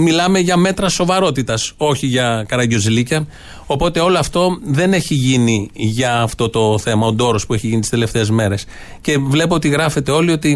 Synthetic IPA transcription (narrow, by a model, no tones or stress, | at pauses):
milɐme̞ʝɐme̞t̪ɾɐso̞vɐɾo̞t̪it̪ɐso̞çiʝɐkɐɾɐɟozilicɐ | o̞po̞t̪e̞o̞loɐft̪o̞ðe̞ne̞çiʝiniʝɐːft̪o̞t̪o̞θe̞mɐo̞d̪o̞ɾo̞spue̞çiʝinit̪i̥st̪ele̞ft̪e̞ːzme̞ɾe̞s | ce̞vle̞poo̞t̪iɣɾɐfet̪e̞o̞lio̞t̪i